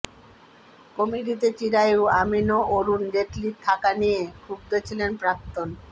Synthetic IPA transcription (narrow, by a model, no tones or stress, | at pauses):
komiɖit̪et͡ɕiɾaewaminoʔoɾund͡ʑeʈliɾt̪ʰakanijekʰuk̚d̪et͡ɕʰilenpɾak̚t̪on